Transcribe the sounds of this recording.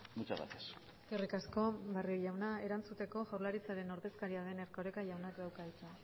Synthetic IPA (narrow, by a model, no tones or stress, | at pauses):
mut͡ʃaɣa̰t̪es | skerikasko̞barioʎawnae̞ɾant͡sut̪e̞ko̞ʝawɾlaɾit͡saɾe̞no̞ɾðe̞skaɾiaðe̞neɾkoɾekaʝawnakd̪awkait͡s̪a